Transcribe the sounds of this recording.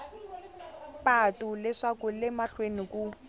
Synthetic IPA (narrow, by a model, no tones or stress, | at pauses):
patʼʊlɪʂakʊlɪmaɬweniku